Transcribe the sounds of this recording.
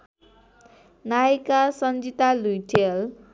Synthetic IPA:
najkasʌnd͡zit̪alujʈʰel

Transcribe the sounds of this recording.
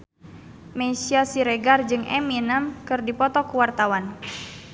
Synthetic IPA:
mɛsiasiɾɛɡard͡ʒɨŋɛ̰minamkɨrdipɔt̪ɔkuwart̪awan

